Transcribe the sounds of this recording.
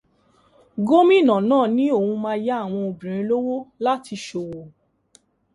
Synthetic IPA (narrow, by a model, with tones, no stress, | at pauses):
ɡo˦mĩ˦˨nã˨nãː˦˨nĩ˨˦o˦˨hũ˧mãː˦˧˦ja˦a˦˨w̃ɔ̃˧o˧bĩ˨ɾ̃ĩ˧˦lo˦wo˦la˦ti˧ʃo˨wo˨